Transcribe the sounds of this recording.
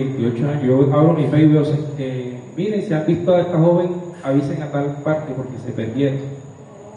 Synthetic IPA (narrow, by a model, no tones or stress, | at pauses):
ejnt̪iot͡ʃoaɲoʝoʔaβɾomifejβeoseemiɾensiambist̪oaest̪axoβeŋaβiseŋat̪alpaɾt̪epoɾkesepeɾd̪jen